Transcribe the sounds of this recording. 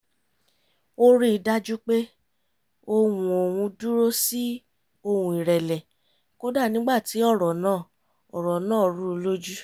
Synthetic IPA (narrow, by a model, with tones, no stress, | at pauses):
o˦ɾi˦i˧da˦d͡ʒu˦k͡pe˦ | o˧wũ˧o˨wũ˧du˦ɾo˦si˦ | o˧wũ˧i˨ɾɛ˨lɛ˨ | ko˦da˦˨nĩ˦ɡ͡ba˦˨ti˨˦ɔ˦˨ɾɔ˨nãː˦˨ | ɔ˨ɾɔ˨nãː˦˨ɾu˦o˧lo˦d͡ʒu˦